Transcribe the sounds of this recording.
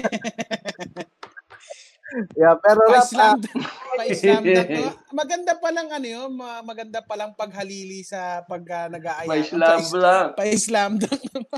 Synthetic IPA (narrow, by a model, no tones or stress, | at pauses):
japɛːɾoɐslamd̪ɐɐsammɐɡɐnd̪apɐlɐŋɐnojomɐmɐɡɐnd̪apɐlɐŋpɐɡ̚ɦɐliːlisɐpɐɡ̚ɐnɐɡaːʔɐjɐɪslamlapɐʔɪslamd̪ɐŋ